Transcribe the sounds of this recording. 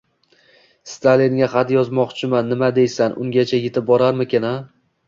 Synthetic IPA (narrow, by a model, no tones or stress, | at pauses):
st̪ʰaliŋɡʲaχat̪jɒzmɒqt͡ʃʰɪmanːɪmad̪e̞jsanʔʊ̰ŋɡʲat͡ʃʰajet̪ʰɪp̚bɒɾaɾmɪkʲʰɪna